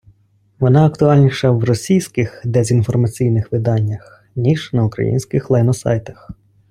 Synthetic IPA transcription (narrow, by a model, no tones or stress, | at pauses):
ʋɔnɑɐk̚t̪ʊɑlʲnʲiʃɐwrɔsʲijsʲkɪxd̪ɛzʲinfɔrmɐt͡sʲijnɪxʋɪd̪ɑnʲːɐx | nʲiʒnɐʊkɾɐ̰jḭnʲsʲkɪxlˠɐjnɔsɑ̰jt̪ɐ̥x